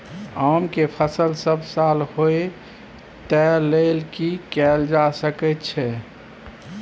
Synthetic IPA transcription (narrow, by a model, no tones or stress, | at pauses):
amkepʰəsəlsəbsalhoe | t̪ɛlelkikɛld͡ʒasəkɛt̪t͡ʃʰɛ